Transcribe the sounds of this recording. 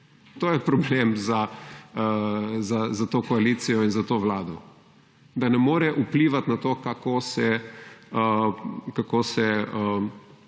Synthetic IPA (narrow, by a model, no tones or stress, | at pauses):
t̪oːjɛpɾɔblemzaəzazat̪oːkɔaliːt̪sijɔinzat̪oːʋlaːd̪ɔ | d̪anɛmoːɾɛʔupliːʋat̪nat̪oːkakoːsɛ | əkakosɛə